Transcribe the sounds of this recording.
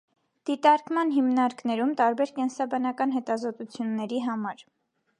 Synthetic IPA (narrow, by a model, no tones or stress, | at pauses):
d̪̥it̪ɑɾkmɑnɦimnɑɾknɛɾumt̪ɑɾbɛɾkɛnsɑbɑnɑkɑnɦɛt̪ɑzɔt̪ut͡sʰjunːɛɾiɦɑmɑɾ